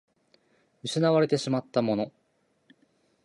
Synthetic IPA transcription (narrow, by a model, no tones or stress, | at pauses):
ɯ̟ɕinaβaɾe̞t̪e̞ɕimat̪ːamo̞no̞